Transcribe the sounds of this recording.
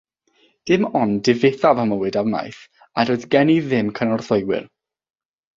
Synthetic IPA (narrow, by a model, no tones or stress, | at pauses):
d̥ɪmɔndɪveθavəməwɨdawna̰jθ | aɾoɨðɡɛniðɪmkʰənɔrθɔjwɪ̰r